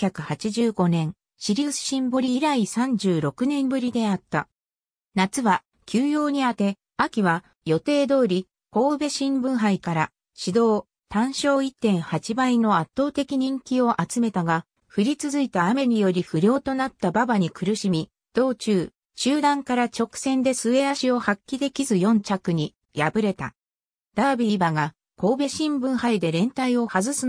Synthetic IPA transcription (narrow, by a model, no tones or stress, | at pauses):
kʲakɯ̟hat͡ɕiʑɨːɡo̞nẽ̞ɰ̃ | ɕiɾʲisɕĩmbo̞ɾʲiɾaisãɲ̟d͡ʑɨːɾo̞kɯ̟nẽ̞mbɯ̟ɾʲid̪e̞at̪ːa | nat͡sɨβa | kʲʰɨːjo̞ːɲ̟iat̪e̞ | akʲiβa | jo̞t̪e̞ːd̪o̞ːɾʲi | ko̞ːɯbe̞ɕĩmbɯ̟̃ɰ̃ɦaikaɾa | ɕid̪o̞ː | t̪ãɰ̃ɕo̞ːit̪ːẽ̞ɰ̃hat͡ɕibaino̞at̪ːo̞ːt̪e̞kʲiɲ̟ĩŋkʲio̞ʔat͡sɨme̞t̪aɡa | ɸɯ̟ɾʲit͡sɨzɨit̪aːme̞ɲ̟ijo̞ɾʲiɸɯ̟ɾʲo̞ːt̪o̞nat̪ːababaɲ̟ikɯ̟ɾɯ̟ɕimʲi | d̪̥o̞ːt͡ɕɨː | ɕɨːd̪ãŋkaɾat͡ɕo̞kɯ̟̥sẽ̞nd̪e̞sɨe̞aɕio̞hakʲːid̪e̞kʲizɨjõ̞ɲt͡ɕakɯ̟ɲ̟i | jabɯ̟ɾe̞t̪a̰ | d̪̥abʲiɾʲibaɡa | ko̞ːbe̞ɕĩmbɯ̟̃ɰ̃haid̪e̞ɾẽ̞nt̪aio̞hazɨsɨ